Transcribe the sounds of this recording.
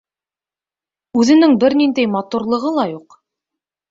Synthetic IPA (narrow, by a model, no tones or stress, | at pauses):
ʉðɘ̆nɘŋbɘɾnind̪æjmɑt̪uɾlˠɤ̆ʁɤlˠɑjuq